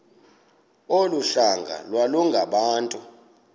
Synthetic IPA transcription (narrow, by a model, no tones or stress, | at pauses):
oluɬaŋɡʱa̰lwaluŋɡʱaɓaːntʼu